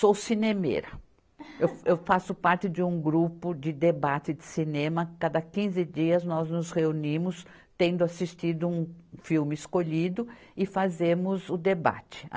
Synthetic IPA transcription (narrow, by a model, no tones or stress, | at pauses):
sosinemḛɾɐ | ewewfasʊpaɾt͡ʃɪd͡ʒɪũɡɾupʊd͡ʒɪd̪ebat͡ʃɪd̪ɪsinẽmɐkad̪ɐkĩzɪd͡ʒiɐznɔznʊzheunĩmʊs | t̪ẽnd̪ʊasist͡ʃid̪ʊũfiwmɪɪskoʎid̪ʊɪfazẽmʊzʊd̪eba̰t͡ʃɪ̥̰